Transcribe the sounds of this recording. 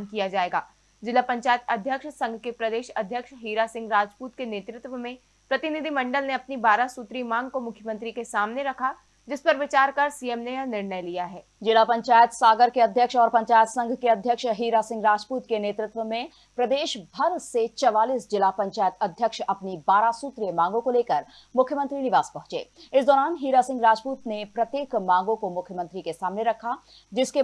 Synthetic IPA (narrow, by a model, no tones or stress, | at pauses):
nkijad͡ʒaːeːɡaː | d͡ʒɪlapɐ̃ɲt͡ʃaːjət̪ɐd̪ʱjəkʃsɐ̃ŋɡʱkepɾɐd̪eːʃɐd̪ʱjəkʃɦiːɾasɪ̃ŋɡɾaːd͡ʒpuːt̪keneːt̪ɾɪt̪ʋəmẽ | pɾɐt̪ɪnid̪ʱimɐ̃ɳɖəlneɐpnibaːɾasuːt̪ɾimãːŋɡkomʊkʰjəmə̃nt̪ɾikesaːmneɾɐkʰa | d͡ʒɪspɐɾʋɪt͡ʃaːɾkaɾsiemnenɪɾnəjlijaɦɛː | d͡ʒɪlapɐ̃ɲt͡ʃaːjət̪saːɡəɾkeɐd̪ʱjəkʃɔːɾpɐ̃ɲt͡ʃaːjət̪sɐ̃ŋɡʱkeɐd̪ʱjəkʃɦiːɾasɪ̃ŋɡɾaːd͡ʒpuːt̪keneːt̪ɾɪt̪ʋəmẽ | pɾɐd̪eːʃbʱɐɾset͡ʃɐʋaːliːsd͡ʒɪlapɐ̃ɲt͡ʃaːjət̪ɐd̪ʱjəkʃɐpnibaːɾasuːt̪ɾijemãːŋɡõkoleːkəɾ | mʊkʰjəmə̃nt̪ɾinɪʋaːspɐɦʊ̃t͡ʃḛːɪsd̪ɔːɾaːnɦiːɾasɪ̃ŋɡɾaːd͡ʒpuːt̪nepɾɐt̪jeːkmãːŋɡõkomʊkʰjəmə̃nt̪ɾikesaːmneɾɐkʰa | d͡ʒɪske